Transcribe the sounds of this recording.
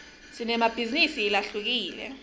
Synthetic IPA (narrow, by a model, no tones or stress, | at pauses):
sinɛmab̥ʱizinisiːlaɬuk̬iːlɛ̰